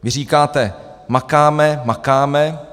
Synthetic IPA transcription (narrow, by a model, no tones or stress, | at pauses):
vɪriːkaːt̪ɛ | makaːmɛmakaːmɛ